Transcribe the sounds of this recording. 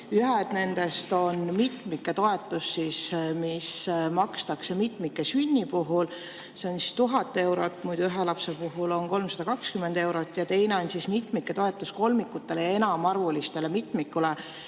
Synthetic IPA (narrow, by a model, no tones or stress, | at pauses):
yɦed̪̥ne̞nd̪̥e̞st̪o̞nmit̪ˑmikːe̞t̪o̞e̞t̪ːˑusːismismɑkst̪ɑkse̞mit̪ˑmikːˑe̞synʲːipuɦul | se̞onsi̥st̪uɦɑt̪ːˑe̞wɾo̞t̪ːˑmujd̪uyɦelɑpse̞puɦulo̞nko̞lmsɑd̪̥ɑkɑkskymend̪̥e̞wɾo̞t̪ːˑjɑt̪e̞jne̞o̞nsismit̪ˑmikːˑe̞t̪o̞e̞t̪ːˑusko̞lmikːˑut̪ˑːe̞lejɑe̞nɑmɑrvulist̪e̞le̞mit̪ˑmikːule